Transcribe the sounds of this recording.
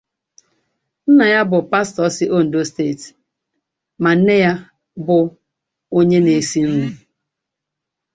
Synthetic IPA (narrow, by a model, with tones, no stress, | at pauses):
n̩˦na˨ja˦bʊ˨pa˦stɔ˨˦sɪ˦ʔo˦˨n̩˨do˦steː˦˨t | ma˨n̩˦ne˦ja˦ | bʊ˨ | o˦ɲe˦ne˨si˦n̩˦u˦˨